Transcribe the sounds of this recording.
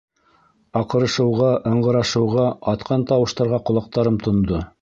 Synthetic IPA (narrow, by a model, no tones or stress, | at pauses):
ɑqɤ̆ɾɤ̆ʃɤ̆wʁɑʔɤ̆ɴɢɤ̆ɾɑʃɤ̆wʁɑɑt̪qʰɑnt̪ɑwɤ̆ʃt̪ɑɾʁɑqŏlˠɑq̚t̪ɑɾɤmt̪ʰŏnd̪o